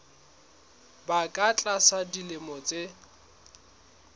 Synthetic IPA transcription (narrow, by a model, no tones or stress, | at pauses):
bakʼat͡ɬʼasadilɪmɔt͡sʼe